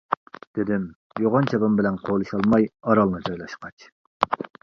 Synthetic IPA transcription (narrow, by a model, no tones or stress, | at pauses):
d̪̥ɪd̪ɪm | joʁɑnt͡ʃʰɛbɑmbɪlɛnqʰolˠɨʃɑlˠmɑjɑɾɑlˠnɨd͡ʒɑjlˠɑʃqɑt͡ʃ